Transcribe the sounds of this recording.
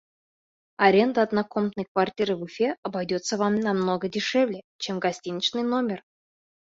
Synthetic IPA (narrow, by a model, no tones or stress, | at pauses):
ɐɾʲend̪əːd̪nakomt̪nəjkvartʲiɾɨbufʲeʔɐbajdʲot̪səvamnamnoɡədʲɪʂɛvlʲe | t͡ɕemɡɐsʲtʲinʲɪt͡ɕnɨjnomʲer